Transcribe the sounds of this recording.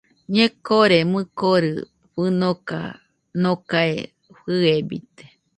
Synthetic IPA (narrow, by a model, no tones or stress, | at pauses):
ɲẽkoɾemɨkoɾɨ̰ | ɸɨnoka̰ | nokaḛ | ɸɨebḭt̪e̥